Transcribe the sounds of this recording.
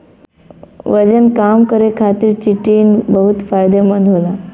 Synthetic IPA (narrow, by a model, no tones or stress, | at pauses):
ʋəd͡ʑənkamkəɾekʰat̪iːɾt͡ɕiʈiːnbəɦut̪fajd̪eməd̪ʱɦola